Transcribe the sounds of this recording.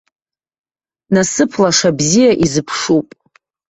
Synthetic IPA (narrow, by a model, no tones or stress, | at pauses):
nasɨpʰlaʂabzijaʔizɨpʰʂupʼ